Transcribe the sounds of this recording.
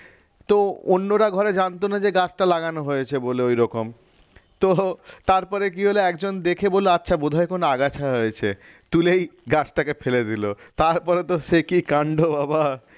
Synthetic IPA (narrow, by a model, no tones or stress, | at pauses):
t̪oonːoɾaɡʱɔɾed͡ʑant̪onad͡ʑeɡat͡ɕʈalaɡanoɦojet͡ɕʰeboleojɾɔkom | t̪ot̪aɾpɔɾek̬iɦoleɛkd͡ʑond̪ekʰeboleatːɕʰabod̪ʱaekonoaɡat͡ɕʰaɦojet͡ɕʰe | t̪ulejɡat͡ɕʈakefeled̪ilot̪aɾpɔɾet̪oʃekikaɳɖobaba